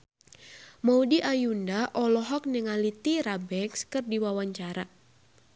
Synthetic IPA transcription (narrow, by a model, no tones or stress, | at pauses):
maudiʔajundaʔɔlɔɦɔk̚nɛŋalit̪iɾabɛkskɨrdiwawaɲt͡ʃaɾa